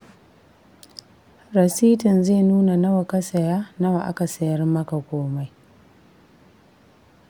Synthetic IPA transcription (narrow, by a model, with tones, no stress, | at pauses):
ɾɐ˨siː˦tɪ˨nzeː˦˨nuː˦na˨nɐ˦wa˨kɐ˦sɐ˨jaː˦nɐ˦wa˨ʔa̰˦ka˨sɐ˨jɐ˦ɾmːɐ˦ka˨kʷoː˦ma˦j